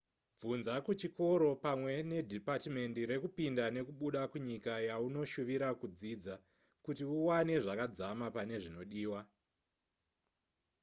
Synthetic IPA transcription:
vunzakut͡ʃiko̞ɾo̞pamwe̞ne̞dʱipatime̞ndiɾe̞kupindane̞kuɓuɗakuɲikajauno̞ʃuʋiɾakud͡ziːd͡za | kutiuwane̞ʐakad͡zamapane̞ʐino̞ɗiːwa

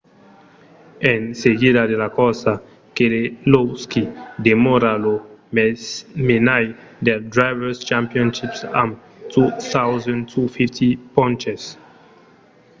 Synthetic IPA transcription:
ẽnseɡidadelakɔsa | keleloskid̪emoɾalo | menaj | d̪ɛɾdɾajvɛst͡ʃãmpiɔ̃nʃipsa̰m | tuθawzãntʰufiftʰipɔ̃nt͡ʃes

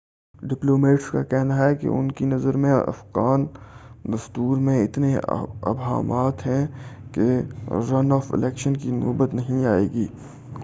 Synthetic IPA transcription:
ɖɪploːmeːʈska̰kɛɦnaɦɛkḛʔʊ̰nkinɐzəɾmẽɐ̰fɣaːnd̪ɐst̪uːɾmẽɪt̪neɐ̰bɦa̰ːmaːt̪ɦɛ̃keɾɐnɔːfɪ̰lɛːkʃənkinʊ̰ːbət̪nɐɦĩaːeːɡiː

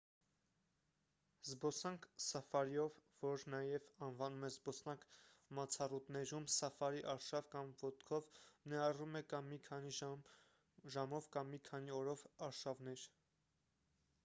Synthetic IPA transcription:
zbɔsɑŋkʰsɑfɑɾiɔvːɔɾnɑjɛvɑnvɑnumɛzbɔsnɑŋkʰmɑt͡sʰɑrut̪nɛɾumsɑfɑɾiʔɑɾʃɑvkɑmvɔt̪kʰɔvnɛɑrumɛkɑmːikʰɑni | ʒɑmɔvkɑmːikʰɑniɔɾɔvɑɾʃɑvn̪ɛɾ

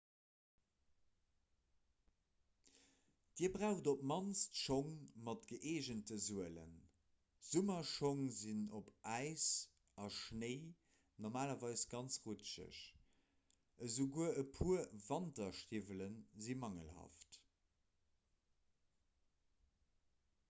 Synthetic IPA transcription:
d̥iːəbʁaʊxdopmɑnstʃoŋmɑtɡ̥əʔeːʑəntəzuələ̰n | z̥umɐʃoŋzinopʔæɪs | ɑʃnəɪ | noʁmaːlɐvɑɪsɡ̥ɑnt͡sʁutt͡ʃə̰ɕ | ʔəzuɡuəəpʰuɐvɑntɐʃtivələnzimɑŋə̰lɦa̰ːft

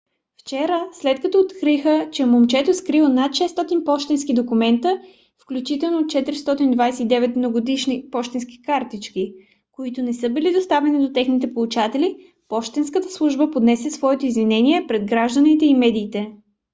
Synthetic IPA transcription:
ft͡ʃɛɾəslɛt̪kɐt̪ɔːt̪kɾixət͡ʃɛmomt͡ʃɛt̪oskɾilˠnat̪ʃɛst̪ɔt̪inpɔʃt̪ɛnskid̪okumɛnt̪ə | fklʲut͡ʃit̪ɛlˠnot͡ʃɛt̪iɾist̪ɔt̪ind̪vajsɛid̪ɛvɛt̪̚mnoɡod̪iʃnipɔʃt̪ɛnski̥kaɾt̪it͡ʃki | koit̪ʊnɛsɤbilid̪ost̪avɛnid̪ot̪ɛxnit̪̬ɛpolˠut͡ʃat̪ɛli | pɔʃt̪ɛnskət̪əslˠuʒbəpod̪nɛsɛsvɔɛt̪oizvinɛniɛpɾɛd̪ɡɾaʒd̪ənit̪ɛimɛd̪iːt̪ɛ

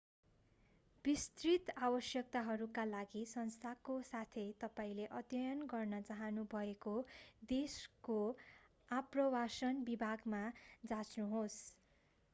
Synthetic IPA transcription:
b̥ist̪rit̪abʌsjʌk̚t̪aɦʌɾukalaɡisʌnst̪ʰakosat̪ʰʌjt̪ʌpaĩleʔʌt̪jʌjʌnɡʌrnʌt͡saɦʌnubʱʌekod̪esko | aprʌwasʌnbibʱaɡmad͡zat͡snuɦos

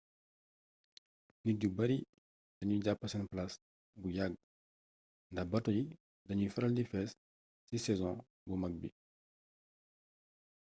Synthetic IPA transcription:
niɟubɐɾi | d̥ɐɲuɟapːɐsɛnplas | bujaɡ̚ | ndɐbɐtoji | ddɐɲufɛɾɐldifɛs | sisɛzɔ̃ | bumɐɡ̚bi

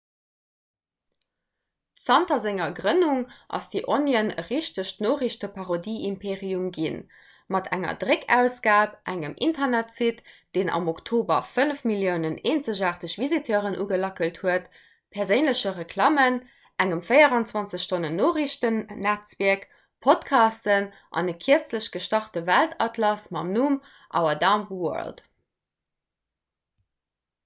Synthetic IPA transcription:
sɑntɐzeŋɐɡʁənuŋʔɑ̰sd̥iʔonjənə̰ʁiʃtəʃtnoːʁiɕtəpʰɑʁodiːʔimpʰeːʁiumɡin | mɑtʰæŋɐ̰dʁekʰæʊsɡ̥aːp̚ʔæŋəmʔḭntʰɐnætsitd̥eːnɑ̰moktʰoːbɐ̰fənəfmiljəʊnəneːnt͡səʑaːχtəɕvizitʰœːʁənʔuːɡəlɑkəlthuət | pʰɛɐʁzəʊnləɕəʁəkʰlɑːmən | ʔæŋəmfəɪɐʁɑnt͡swɑnt͡səʃtʰonənːoːʁiʃtənːæt͡sviɐk | pʰotkʰɑːstən | ʔɑ̰nəkʰiəɐt͡sləɕɡ̥əʃtɑχtəvæltʰɑtʰlɑsmɑ̰mnum | ʔɑ̰ʊɐdɑmwɔ̰ɐld

